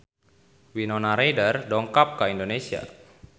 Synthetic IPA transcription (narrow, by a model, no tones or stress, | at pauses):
winonaɾejdərdɔŋkap̚kaindonesia̰